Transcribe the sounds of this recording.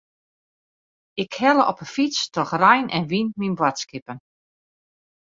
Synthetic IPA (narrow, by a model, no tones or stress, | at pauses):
ɪkhɛlˠəʔɔpəfit͡stɔxrɛjnʔɛ̰nʋinminbwatskɪpən